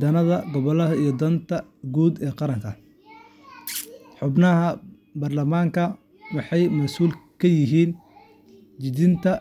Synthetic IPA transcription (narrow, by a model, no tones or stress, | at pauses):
d̪ɐnɐðɐɡɔβɔlɐɦɐijɔd̪ɐnt̪ʰɐ | ɡuːd̪ɛːqɑɾɐŋkʰɐ | ħʊbnɐɦɐ | bɐrlɐmaːŋkʰɐ | wɑħɑjmɐsuːlkʰɐjɪɦiːn | d͡ʒɪd̪ɪnt̪ʰɐ